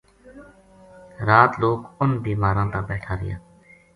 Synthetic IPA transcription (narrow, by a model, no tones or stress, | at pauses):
ɾaːt̪loːkʊnbiːmaːɾãːt̪aːbɛːʈʰaːɾɪ̰jã̰ː